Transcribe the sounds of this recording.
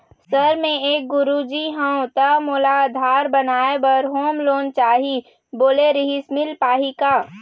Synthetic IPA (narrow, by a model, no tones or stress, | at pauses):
səɾmẽeːk̚ɡʊɾud͡ʒiɦə̃õt̪əmoːlaəd̪ʱaːɾbənaːebəɾɦoːmloːnt͡ʃaːɦi | boːleɾɪɦismɪlpaːɦikaː